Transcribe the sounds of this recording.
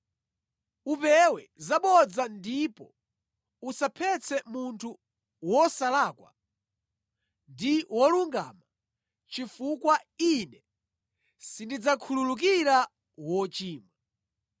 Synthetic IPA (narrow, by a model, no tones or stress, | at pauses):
upɛwɛzaɓɔd͡zandipɔ | usapʰɛt͡sʰɛmuntʰu | wɔsalaːkwa̰ | ndiwɔluŋɡa̰ma | t͡ʃifukwainɛ | sindid͡zakʰululuk̬iɾa | wɔt͡ʃiːmwa